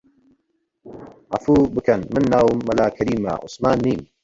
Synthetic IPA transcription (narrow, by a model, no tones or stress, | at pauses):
ʔafuːbɨkɐnmɨnːaːwumːɐlaːkʰɐɾiːma̰ʔʊ̰smaːnːiːm